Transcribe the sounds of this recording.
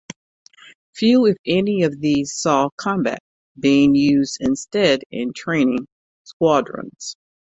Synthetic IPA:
fjʉɨfɛniʌvðiz̥sɔkʰɑ̃mbæ̰t̚ | b̥iɪ̃ŋjʉzdɨ̃nstɛɾɪ̰̃ntʰɹ̥ẽɪ̃nɪ̃ŋ | skwɑdɹɨ̰̃nz̥

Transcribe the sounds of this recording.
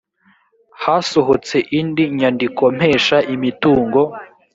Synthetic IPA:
haːsoɦot͡se̞ʔindiɲandiko̞m̥he̞ːʃaʔimituːŋɡo̞

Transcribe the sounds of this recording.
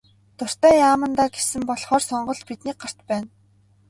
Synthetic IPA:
t̪ʊr̥t̪æːjaːmə̆nt̪aːɡesɘ̆mpɔɮχɔːrsɔɴɢɞ̆ɮpit̪niːk̚ɢar̥t̪pæːn

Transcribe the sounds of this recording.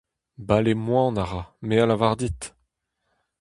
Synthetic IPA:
balemwɑ̃naʁamealavaʁd̪it̪

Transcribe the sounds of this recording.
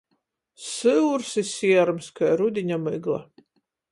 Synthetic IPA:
sɨwɾsɨsʲiɛɾmskajɾud̪ʲiɲʲamɨɡlˠa̰

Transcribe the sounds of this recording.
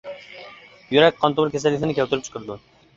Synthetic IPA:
jyɾɛk̚ʲqʰɒnt̪ʊmɪɾkʲʰesalːʲɪt̪ɪnɪkʲelt̪ɪɾɪpt͡ʃʰqʰɨɾd̪ʊ

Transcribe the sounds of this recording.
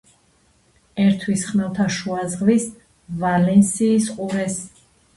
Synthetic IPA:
ɛɾt̪ʰwisχmɛlˠt̪ʰaʃuazʁvis | valɛnsiːsqʼuɾɛs

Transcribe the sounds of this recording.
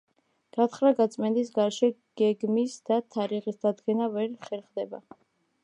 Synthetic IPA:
ɡ̥at̪χɾaɡat̪sʼmɛnd̪isɡaɾʃɛɡ̥ɛɡmisd̪̥at̪ʰaɾiʁisd̪ad̪ɡɛnavɛɾχɛɾχd̪ɛba̰

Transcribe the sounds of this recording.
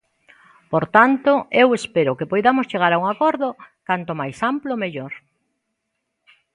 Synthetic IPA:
poɾt̪ant̪oewespeɾʊkɪpojðamost͡ʃeɣ̞aɾauŋakɔɾðokant̪omajsamplomeʎoɾ

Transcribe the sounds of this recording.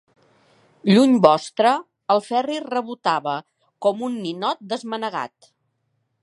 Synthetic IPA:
ʎuɲbɔst̪ɾəː | lˠfɛrirəβut̪aβə | kɔmunːinɔt̪̚d̪əzmənəɣa̰t̪

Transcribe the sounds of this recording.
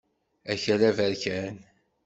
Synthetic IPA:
æçərævəɾçæn

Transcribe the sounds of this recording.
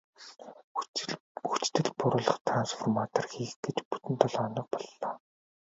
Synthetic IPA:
ut͡ɕt̪ɘ̆ɮpʊɾʊːɮɞ̆χt̪ʰransfɔrmat̪ʰɔ̆rxiːxɡ̥et͡ɕpu̥t̪ɘ̆nt̪ʰɔɮɔnə̆q̚pɔɮːɔː

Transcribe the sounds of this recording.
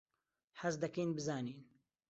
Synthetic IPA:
ħazd̪ɐkejnbɨzaːniːn

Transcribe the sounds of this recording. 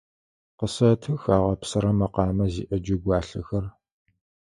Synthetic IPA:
qəsɐtʰɨxaːʁɐpsɐɾɐmɐqɑːmɐzḭːʔɐd͡ʒɪɡʷɑːɬɨxɐr

